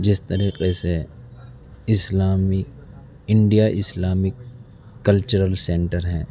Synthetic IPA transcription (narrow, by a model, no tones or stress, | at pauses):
d͡ʒɪst̪ɐɾiːqese | ɪslaːmi | ɪ̃ɳɖijaʔɪslaːmɪkː | ɐlt͡ʃəɾəlsẽːɳʈəɾɦɛ̃ː